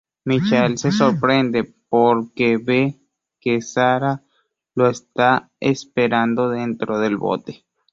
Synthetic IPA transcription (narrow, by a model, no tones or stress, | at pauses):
mit͡ʃelsesoɾpɾend̪epoɾkeβe | kesaɾa | loest̪a | espeɾand̪oðent̪ɾoðelβo̰t̪e̥